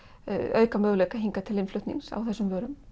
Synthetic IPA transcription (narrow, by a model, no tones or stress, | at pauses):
œɥkamœːɣlekaɦiŋkat̪ʰɪlɪnflʏɥht̪nḭŋsa̰wθɛsːʏmvœːɾʏm